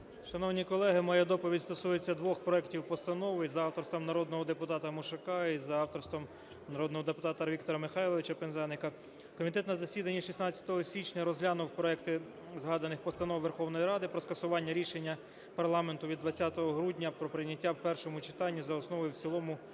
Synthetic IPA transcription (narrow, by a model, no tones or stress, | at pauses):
ʃɐnɔwnʲikɔlˠɛɦɪmɔjɛd̪ɔpɔʋʲidʲst̪ɔsujet͡sʲːɐd̪ʋɔxpɾɔɛktʲiwpɔst̪ɐnɔʋɪizɐɑwt̪ɔrst̪ʋɐmnɐɾɔd̪nɔɦɔd̪e̞pʊt̪ɑt̪ɐmʊʃɐkɑizɐɑwt̪ɔrst̪ʋɐm | nɐɾɔd̪nɔɦɔd̪epʊt̪ɑt̪ɐʋik̚t̪ɔɾɐmɪxɑjlˠɔʋʲɪt͡ʃɐpenzɛnɪkɐ | kɔmʲit̪ɛt̪nɐzɐsʲid̪ɐnʲːiʃisnɑt͡sʲjɐ̥t̪ɔɦɔsʲʋʲit͡ʃnʲɐɾɔzɦlʲanʊwpɾɔɛkt̪ɪ | zɦɑd̪ɐnɪxpɔst̪ɐnɔwʋerxɔwnɔjɾɑd̪ɪpɾɔskɐsʊʋɑnʲːɐɾʲiʃenʲːɐ | pɐrlˠɑment̪ʊʋʲid̪ʋɐt͡sʲːat̪ɔɦɔɦɾudʲnʲɐpɾɔpɾɪjnʲːɐtʲːawpɛrʃɔmʊt͡ʃɪ̥t̪ɑnʲːizɐɔsnɔʋɔjuwt͡sʲilˠɔmʊ